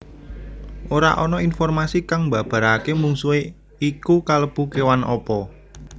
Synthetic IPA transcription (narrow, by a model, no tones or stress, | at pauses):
ʔoɾa̰ʔɔnɔinfɔrmasikaŋmbä̤b̥ä̤ɾakemuŋsue | ikukaləpukewanʔɔpɔ